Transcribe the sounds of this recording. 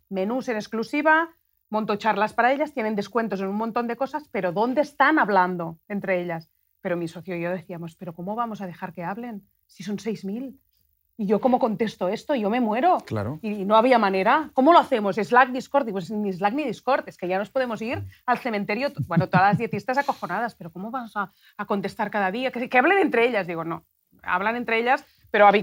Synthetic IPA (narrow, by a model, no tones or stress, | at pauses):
menuse̞nesklusiβa | mont̪ot͡ʃaɾlaspaɾae̞ʎast̪je̞nend̪e̞skwe̞nt̪o̞senunmont̪ond̪e̞ko̞saspe̞ɾo̞ðo̞nd̪eːst̪anaβland̪o̞ent̪ɾeeʎas | pe̞ɾomiso̞θjoijoðe̞θiamo̞spe̞ɾoko̞moβ̞amo̞sað̞e̞xaɾke̞aβle̞n | siso̞nsejzmil | iʝo̞ko̞mo̞ko̞nt̪e̞st̪oest̪oiʝo̞me̞mwe̞ɾokla̰ɾoino̞aβiamaneɾakomoloaθe̞mosezlak̚d̪iskoɾt̪ipwesnizlakniðiskoɾt̪eske̞ʝano̞spoðe̞mo̞siɾalθe̞ment̪eɾjobwenot̪oðalazðje̞t̪ist̪asako̞xo̞nað̞aspe̞ɾoko̞moβamosaː | ko̞nt̪e̞st̪aɾkaðaðiakekeaβlene̞nt̪ɾe̞eʎazðiɣono | a̰βlane̞nt̪ɾeeʎas | pe̞ɾoaβi